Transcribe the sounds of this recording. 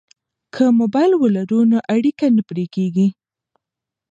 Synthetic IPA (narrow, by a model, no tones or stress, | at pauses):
kʰəmobɑjlwəlaɾunoʔaɽikanəpɾekeɡi